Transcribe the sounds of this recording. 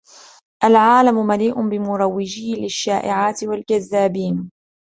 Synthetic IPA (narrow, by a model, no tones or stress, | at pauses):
ʔalʕaːlamʊmaliːʔʊbɪmʊɾˤɑwːɪd͡ʒiːlɪʃːaːʔɪʕaːt̪ɪwald͡ʒaðːaːbiːn